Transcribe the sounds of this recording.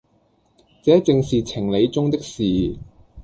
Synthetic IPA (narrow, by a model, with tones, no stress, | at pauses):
t͡sɛː˨˥t͡sɪ˧ŋsiː˨t͡sʰɪ˨˩ŋle˨˧jt͡sʊ˥ŋt̪ɪ˥k̚siː˨